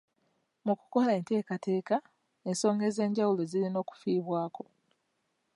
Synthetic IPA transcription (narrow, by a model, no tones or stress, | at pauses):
muku̥ko̞lae̞ːnte̞ːkatʰe̞ːka | e̞nso̞ːŋɡe̞ze̞ːɲɟawulozilino̞ːku̥fiːβwaːko̞̥